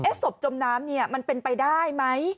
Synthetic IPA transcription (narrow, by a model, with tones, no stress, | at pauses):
ʔeː˦˥so˨˩p̚t͡ɕo˧mnaː˦˥mni˥˩ɐma˧npe˧npa˧jdaː˥˩jma˦˥j